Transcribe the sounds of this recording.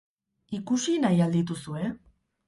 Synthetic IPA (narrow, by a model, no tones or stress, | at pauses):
ikusinajald̪it̪usue̞